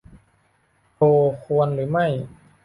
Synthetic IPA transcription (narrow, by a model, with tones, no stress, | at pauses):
oː˧˩kʰu˧ənɾɯː˩˦ma˥˩j